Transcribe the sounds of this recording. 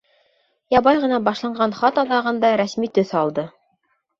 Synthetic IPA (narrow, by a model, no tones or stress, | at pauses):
jɑbɑjʁɤ̆nɑbɑʃlˠɑɴɢɑnχɑt̪ɑd̪ɑʁɤ̆nd̪ɑɾæsmit̪ɵθɑlˠd̪ɤ